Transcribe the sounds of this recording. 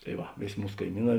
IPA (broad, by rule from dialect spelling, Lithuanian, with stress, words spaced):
tɐɪ ˈʋɐ ˈʋʲeːˌsʲ ˈmuːs kɐɪˈmʲiːˌnɑː